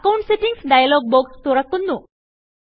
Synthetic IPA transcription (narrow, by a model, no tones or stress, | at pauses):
kawɳʈseʈiŋsɖajalɔɡ̚bokst̪oɾak̚t̪unːu